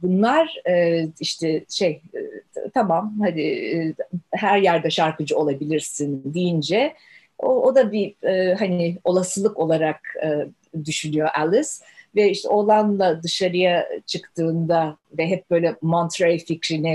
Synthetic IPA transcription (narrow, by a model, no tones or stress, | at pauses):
bunlˠaɾɯːiʃt̪ʰɛʃej | t̪ʰamamhad̪ɪ | hæɾjæɾd̪ɛʃaɾkɯd͡ʒɯo̞lˠabilʲiɾsind̪ijind͡ʒɛ | ood̪abiɛːɦanɪo̞lˠasɯlˠɯko̞lˠaɾakɯː | d̪yʃynyjo̞ʔɛlˠɪs | vɛiʃt̪ʰɛo̞lˠanlˠad̪ɯʃaɾɯjat͡ʃʰɯkt̪ʰɯːnd̪avɛɦɛp̚bø̞jlʲɛmont̪ʰɾaɾificɾinɪ